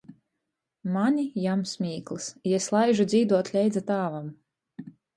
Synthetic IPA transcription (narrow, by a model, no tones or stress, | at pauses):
manʲijamsmʲiːklˠsjɛslˠajʒud̪zʲiːd̪uɔt̪lʲɛjd̪zat̪aːvam